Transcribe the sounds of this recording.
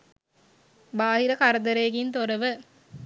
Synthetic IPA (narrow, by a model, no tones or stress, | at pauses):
baːɦiɾəkaɾəd̪əɾeːɡint̪oɾəʋə